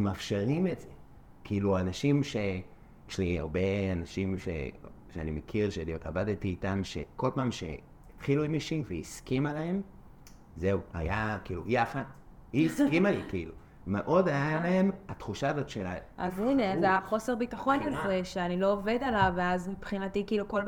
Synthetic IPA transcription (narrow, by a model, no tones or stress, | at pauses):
mafʃeʁimetze | kʰiiluanaʃimʃe | ʃlia̰ʁbe̞anaʃimʃḛʃea̰nimekʰiʁʃeniavaditiːtamʃḛko̞lpaːmʃḛ | it̪χiluimiʃiveiskimalahem | ze̞ua̰jakiːlujafathiiskimalikiilu | meʔo̞dajalae̞mat̪χuʃaazotʃelaimʔazinezaχo̞se̞ʁbitaχo̞njolfeʃeanilo̞ːve̞dalaveazmipχinatikiiːlukol